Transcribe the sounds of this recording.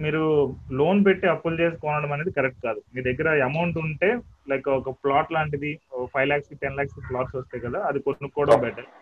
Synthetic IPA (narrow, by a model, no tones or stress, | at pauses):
miːɾulo̞ːnp̬eʈːiɐpːult͡ʃeːs̬i̥kɔːnɐɽɐmɐneːd̪ikɐɾek̚ʈ̚kaːd̪umiːɾd̪eɡːɐɾɐɐmɐwɳʈuɳʈe̞ːlɐjkɐɔkɐplaːʈlaːɳʈid̪ipʰɐjlaːkskiʈenlaːkskiplaːʈsɔst̪aːjkɐd̪aːɐd̪ikonːukːɔːɽɐmbɛːʈaː